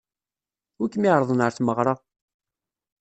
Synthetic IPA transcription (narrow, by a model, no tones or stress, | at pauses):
ʊɾkːəmiʕɾˤəðˤənəɾθməʁɾˤɑ